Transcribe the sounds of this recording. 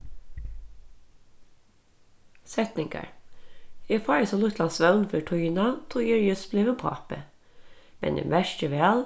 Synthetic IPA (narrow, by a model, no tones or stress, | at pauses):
sɛt̪nɪŋɡɑ̰ɹ | efɑːjəsɔlʊt̪lɑnsʋœlnføʈʰʊjɪnɑt̪ʰuːjɛɹjʉsbleːʋəpʰɑ̰ːpə̰ | mɛ̰nɪ̰ʋæʃcəʋæːl